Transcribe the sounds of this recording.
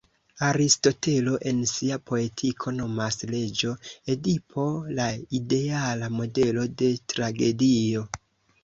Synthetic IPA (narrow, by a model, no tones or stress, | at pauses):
aɾisto̞te̞lo̞ʔe̞nsiapo̞e̞tʰikʰo̞no̞masle̞d͡ʒo̞edipʰo̞laide̞alamo̞de̞lo̞de̞tɾaɡe̞dio̞